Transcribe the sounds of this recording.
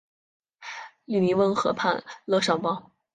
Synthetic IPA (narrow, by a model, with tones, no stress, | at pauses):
ly˥˩ni˧˥wə˥nxɤ̰˧˥pʰa̰˥˧nlɤ˥˧ʂɑ˥˩ŋpɑ˥ʊ